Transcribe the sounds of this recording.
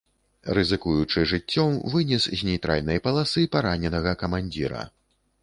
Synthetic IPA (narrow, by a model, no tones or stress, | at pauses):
ɾɨzɨkujut͡ʂɨʐɨt͡sʲːɔmvɨnʲɛszʲnʲɛjt̪ɾʔa̰lʲnɐjɐpɐlˠasɨpaɾanʲɛnɐɣɐkɐmanʲd͡zʲiɾɐ̰